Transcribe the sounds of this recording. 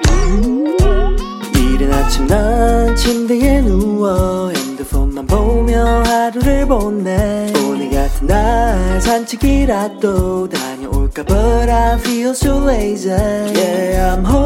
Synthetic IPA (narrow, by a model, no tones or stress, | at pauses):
iɾɯnat͡ɕʰimnant͡ɕʰind̪eɡenuwʌend̪ɯfonːanbomjʌɦaɾuɾɯɭbonːeoniɡat̪ʰɯndasʰant͡ɕʰikiɾat̪͈otaɲeoɭk͈abʌɾafiosoezejeamɦo